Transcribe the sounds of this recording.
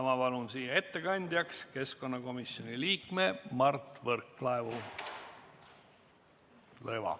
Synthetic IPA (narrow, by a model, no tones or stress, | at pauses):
ɑmɑpɑlunsiːjɑe̞t̪ːe̞kɑnʲd̪̥ʲjɑkske̞sko̞nːɑko̞misjo̞nʲiliːkmemɑrt̪ːˑvɤrkːlɑevu | lɤjvɑ̰